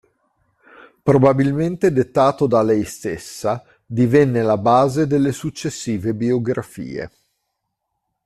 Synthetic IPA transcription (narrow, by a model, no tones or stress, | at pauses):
pɾobabilment̪ed̪et̪ːaːt̪od̪alɛjst̪esːa | d̪ivɛnːelabaːzed̪elːesut͡ʃːesːiːvebioɡɾafḭːḛ